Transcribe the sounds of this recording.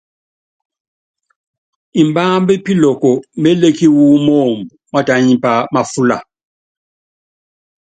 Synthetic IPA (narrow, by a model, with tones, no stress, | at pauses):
i˨mbaː˦mbi˦pi˦lɔ˨kɔ˨m̩˦bɛ˦le˦ki˦wu˦mɔː˦˨mbu˨ma˦ta˨ɲi˦pa˨ma˨fu˦la̰˨